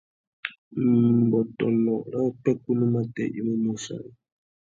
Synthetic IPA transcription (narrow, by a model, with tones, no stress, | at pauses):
m˨bɔ˨tɔ˨nɔ˨ɾa˦k͡pɛ˦ku˦nu˦ma˦tɛ̰˦ʔḭ˦mo˦mu˦sa̰˨ni˨